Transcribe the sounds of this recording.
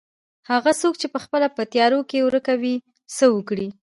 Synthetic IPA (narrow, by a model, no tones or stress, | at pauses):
haɣasok̚t͡ʃepəxpəlapət̪jɑɾokewɾəkawi | səwəkɽi